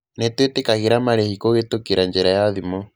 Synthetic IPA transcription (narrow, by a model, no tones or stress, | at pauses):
nɛtwetekaɣiɾamaɾehikoɣetokiɾaɲd͡ʒɛɾajaðimɔ